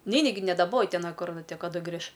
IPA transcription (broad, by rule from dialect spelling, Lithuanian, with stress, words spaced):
ˈnʲɛɪnʲɪ ɡʲɪ nʲɛdɐˈboːjɪ ˈtʲɛn ˈkʊr kɐˈdʊ ˈɡrʲɪʃ